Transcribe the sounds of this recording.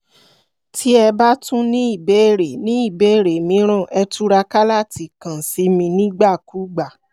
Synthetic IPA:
tʰi˦ɛ˧ba˦tũ˦nĩ˦i˦˨be˨˦e˦˨ɾe˨nĩ˨˦i˦˨be˨˦e˦˨ɾe˨mĩ˨˦ɾ̃ã˦˨ɛ˧tu˦ɾa˧ka˦la˦˨ti˨kã˨si˨˦mĩ˧nĩ˦ɡ͡ba˦˨ku˨˦ɡ͡ba˨

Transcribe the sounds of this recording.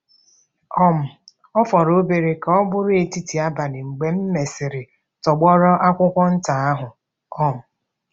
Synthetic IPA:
ɔ˦m̩˨ | ɔ˦fɔ˨ɾo˦be˨ɾe˨ka˨ɔ˦bʊ˦ɾʊ˦e˨ti˦ti˨a˦ba˨nɪ˨ŋ͡m̩˨ɡ͡be˨m̩˦me˨sɪ˨ɾɪ˨ | tɔ˨ɡ͡bɔ˦ɾɔ˦ʔa˦kʷʊ˦kʷɔ˦n̩˦ta˨a˦ɦʊ˨ | ɔ˦m̩˨

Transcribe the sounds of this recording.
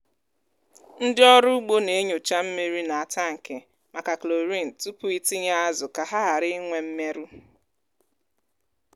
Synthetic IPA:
n̩˦dɪ˦ɔ˦ɾʊ˦u˦ɡ͡bo˦ne˨e˦ɲo˨t͡ʃa˦m̩˦mi˦ɾi˦na˨a˨ta˦˨ŋ̩˨ke˨ | ma˨ka˨klo˨ɾi˦n̩˨tu˦pʊ˦i˦tɪ˦ɲa˦a˦zʊ˨ka˨ɦa˦ɦa˨ɾɪ˦ŋʷe˦m̩˦me˦ɾu˦

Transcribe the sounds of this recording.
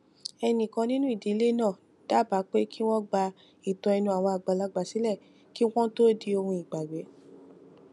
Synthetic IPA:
ɛ˧nĩ˨kã˧nĩ˦nũ˦i˦˨de˨˦le˦nãː˦˨ | d̥a˦ba˨˦k͡pe˦ki˦w̃ɔ̃˦ɡ͡ba˧ | i˨tɔ̃˧ɛ˧nũ˧a˨w̃ɔ̃˧a˨ɡ͡ba˨la˧ɡ͡ba˨si˨˦lɛ˦˨ | ki˦w̃ɔ̃˦to˦di˧o˧hũ˧i˨ɡ͡ba˨ɡ͡bɛ˨˦

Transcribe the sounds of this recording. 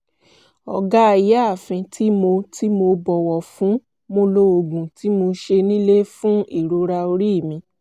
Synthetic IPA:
ɔ̰˨ɡa˦˨ja˦a˦˨fɛ̃˧tʰi˦mo˧ti˦mo˧bɔ˧˨wɔ˨fũ˨˦ | mo˧lo˧o˨ɡũ˨ti˨˦mo˧ʃe˧nĩ˦le˦fũ˦i˦˨ɾo˨˧˦ɾa˧o˧ɾi˦˨mĩ˧˦

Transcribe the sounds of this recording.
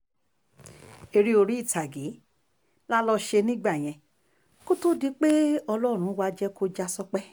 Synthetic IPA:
e˧ɾi˧o˧ɾi˦i˦˨ta˨ɡi˨˦ | la˦lɔ˧ʃe˧nĩ˦ɡ͡ba˦˨j̃ɛ̃˧ | ko˦to˦di˧k͡pe˦ɔ˧lɔ˦˨ɾ̃ũ˨˦wa˧d͡ʒɛ˦ko˦d͡ʒa˧sɔ˧k͡pɛ˦

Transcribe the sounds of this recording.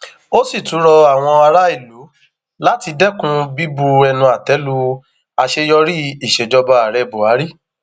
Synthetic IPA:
o˦si˦˨tũ˨˦ɾɔ˧a˦˨w̃ɔ̃˧a˧ɾa˦i˦˨lu˨˦ | la˦ti˧dɛ˦kũ˧bi˦bu˧ɛ˧nũ˧a˨tɛ˨˦lu˧ | a˧ʃe˧jɔ˧ɾi˦i˨ʃɛ˨d͡ʒɔ˧ba˧a˨ɾɛ˧bu˨a˨˦ɾi˦˨

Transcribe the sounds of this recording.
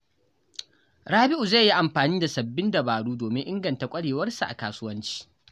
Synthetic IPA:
ɽaː˦bɪ˦ʔu˨za˦˨jːi˦ʔa˨mɸaː˨niː˦da˨sɐ˨bːɪ˦ndɐ˨baː˨ɽuː˦doː˨mɪ˦ʔɪ˦ŋɡɐ˨nta˨kʷʼɐ˦ɽeː˨wɐ˦rsu˨ʔa̰˨kaː˦sʊ˦wɐ˦nt͡ʃi̥ː˦

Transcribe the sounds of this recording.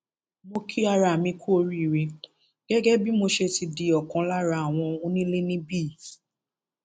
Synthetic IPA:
mo˧kʰi˦a˧ɾa˨mĩ˧kʰu˦o˧ɾi˦˨ɾi˧ | ɡ̥ɛ˦ɡɛ˦bi˦mo˧ʃe˧ti˧di˧ɔ˨kã˨˧la˦ɾa˧a˨w̃ɔ̃˧o˧nĩ˦lẽ˦nĩ˦biː˦˨

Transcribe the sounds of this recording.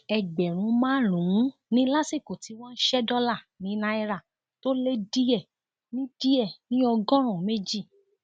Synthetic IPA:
ɛ˨ɡ͡bɛ˨ɾ̃ũ˧˦mãː˦ɾũ˨ũ˦nĩ˦la˦si˦˨ko˨ti˨˦w̃ɔ̃˦n̩˦ʃɛ˦dɔ˦la˦˨ | nĩ˨˦nã˧˦ɛ˧ɾa˦˨ | to˦le˦di˦ɛ˦˨ | nĩ˦di˦ɛ˦˨nĩ˦ɔ˧ɡɔ̃˦ɾ̃ɔ̃˦˨me˦d͡ʒi˦˨

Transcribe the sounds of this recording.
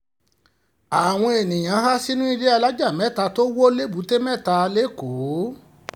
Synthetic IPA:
a˨w̃ɔ̃˧e˨nĩ˨j̃ã˨˧˦ɦa˦si˦nũ˦i˧de˦a˧la˦d͡ʒa˦˨mɛ̃˦˨ta˧to˦wo˦le˦bu˨˦te˦mɛ̃˦˨ta˧le˦˨ko˨˦

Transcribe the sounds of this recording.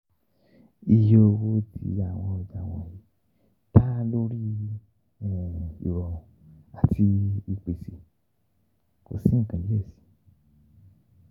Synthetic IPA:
i˨je˧o˧wo˧tʰḭ˧a˨w̃ɔ̃˧˨d͡ʒa˧˨w̃ɔ̃˧˨ji˨˦ | ta˦lo˦ɾi˦˨ | o̰˨wɔ˨ | a˨tʰi˧i˧k͡pe˨si˨ | ko̰˨sĩ˦˨kã˨i˦e˦˨si̥˨˧

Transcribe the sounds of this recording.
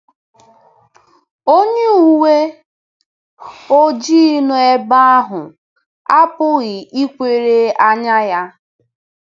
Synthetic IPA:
o˦ɲe˦u˨we˦ | o˦d͡ʒi˦nʊ˨˦e˦ba˦a˦ɦʊ˨ | a˦pʊ˦ɣɪ˨i˦kʷe˦˨ɾe˦a˦ɲa˦ja˦

